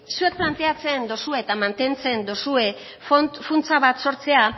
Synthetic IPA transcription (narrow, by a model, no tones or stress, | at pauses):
sue̞k̪̚plant̪e̞at͡send̪o̞sueːt̪amant̪e̞nt͡se̞nd̪o̞sue̞ | ffunt͡saβat̪so̞ɾt͡se̞a